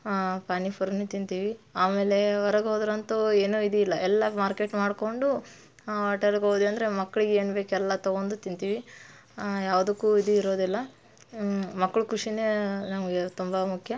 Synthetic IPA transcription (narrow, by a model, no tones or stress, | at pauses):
paːnipʰuɾɐnːut̪int̪iːʋiaːmeːleʋɔɾɐɡɦoːd̪ɾɐnt̪oeːnuid̪uilːɐʔɛlːɐmaːɾke̞ːʈmaːɽko̞ɳɖu | ɐːʈɐlɡoːd̪eɐnd̪ɐɾe̞mɐkːɐɭiɡeeːnbeːkɛlːɐt̪ɐɡond̪ut̪int̪iːʋi | jaːʋd̪ukːuːid̪uiɾoːd̪ilːɐ | mɐkːɐɭukɾuʂinenɐmt̪umbɐmukʰjɐ